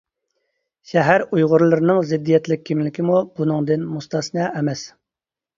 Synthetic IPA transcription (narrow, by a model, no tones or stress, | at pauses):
ʃɛɦæɾujʁʊɾlˠɨɾɨnɨŋzɪd̪ːijɛt̪lɪk̚ʲʰːimlɪkʲimubunɨŋd̪ɨnmust̪ɑsnɛɛmɛs